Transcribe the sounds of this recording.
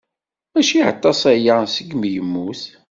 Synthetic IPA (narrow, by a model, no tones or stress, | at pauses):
æʃiʕə̰t̪ˤːɑsˤæjasəɡmjəmːuθ